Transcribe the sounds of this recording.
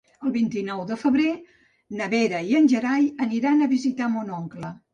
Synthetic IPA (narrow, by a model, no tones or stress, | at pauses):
əlˠβint̪inɔwd̪əfəβɾe | nəβeɾəiənʲʒəɾajəniɾanəβizit̪amonɔŋklə